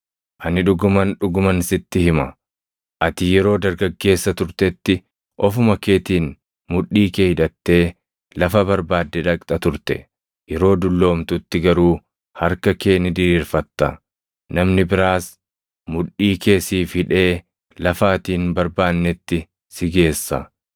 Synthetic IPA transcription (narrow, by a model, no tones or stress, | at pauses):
ʔɐnɪᶑʊɡʊmɐnᶑʊɡʊmɐnɪsɪt̪ːɪhɪmɐ | ʔɐt̪ɪjɛɾo̞ːd̪ɐɾɡɐɡːe̞ːsːɐt̪ʊɾt̪ɛt̪ːɪ | ʔɔfʊmɐke̞ːt̪iːn | mʊᶑːiːkeːhɪᶑɐt̪ːe̞ː | lɐfɐbɐɾbaːd̪ːɛᶑɐkʼt̪ʼɐt̪ʊɾt̪ɛ̰ | jɛɾo̞ːd̪ʊlːo̞ːmt̪ʊt̪ːɪɡɐɾuː | hɐɾkɐke̞ːnɪd̪ɪɾiːɾfɐt̪ːɐ̰ | nɐmnɪbɪɾaːs | mʊᶑiːke̞ːsiːfhɪᶑe̞ː | lɐfaːt̪iːnbɐɾbaːnːɛt̪ːɪ | sɪɡe̞ːsːɐ̰